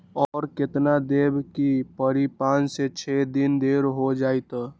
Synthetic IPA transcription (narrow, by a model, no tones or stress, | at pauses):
ɔɾket̪nad̪ebkipəɾipãnset͡ʃʰed̪ind̪eɾɦod͡ʒajt̪ɔ